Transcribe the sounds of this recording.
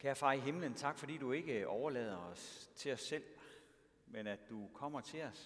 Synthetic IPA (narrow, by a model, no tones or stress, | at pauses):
kʰæɐfɑ̈iɦe̝mlənt͡sʰɑ̈ɡ̥fɒ̽d̥ḭːdue̝ɡ̥əʔɒʊɐlɛ̰ːð̞ˠɐɒ̽st͡sʰe̝ɒ̽sːel̰ | menæd̥d̥ukʰɒ̽m̰ɐt͡sʰe̝ɒ̽s